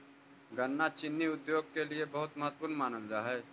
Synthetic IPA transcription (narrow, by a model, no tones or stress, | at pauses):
ɡənːat͡ʃɪnːiʊd̪joːɡ̚keliebəɦʊt̪mɐɦət̪ːpʊːɾnmaːnəld͡ʒaːɦɛː